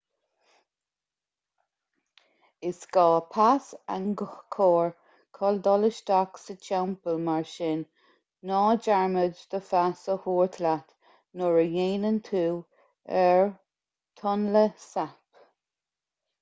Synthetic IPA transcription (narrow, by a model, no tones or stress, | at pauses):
ɪsɡ̥ɑːpʰasa̰nɡkʰɔːɹ | kʰɔld̪ɔləʃd̪aksət͡ʃʰawmpəlmaɹʃɪnː | ɔːd͡ʒaɹməd͡ʒd̪əfasəhuːɹt̪ʰlat̪ | nɔɹəjeːnənt̪ʰuː | ɛɹ | t̪ʰɔnləsap